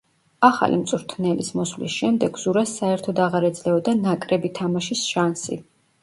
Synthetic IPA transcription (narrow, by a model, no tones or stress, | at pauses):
aχa̰lḭmt̪sʼɾt̪ʰnɛlismɔsvlisʃɛmd̪ɛɡz̥uɾasːaɛɾt̪ʰɔd̪aʁaɾɛd̪zlɛɔd̪anakʼɾɛbit̪ʰamaʃisʃansḭ